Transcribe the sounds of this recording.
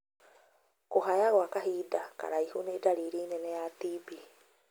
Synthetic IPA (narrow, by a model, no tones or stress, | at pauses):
koɦaeaɣoakaɦidaka̰ɾajhunedaɾiɾineneat̪ibi